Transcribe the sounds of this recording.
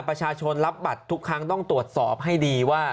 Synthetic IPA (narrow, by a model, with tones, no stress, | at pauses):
pɾa˧t͡ɕʰaː˧t͡ɕʰo˧nla˦˥p̚ba˨˩t̪ʰːu˦˥kʰːɾa˦˥ŋt̪ɔ˥˩ŋt̪ɾu˨˩ət̪̚sɔː˨˩p̚ɦa˥˩jdiː˧waː˥˩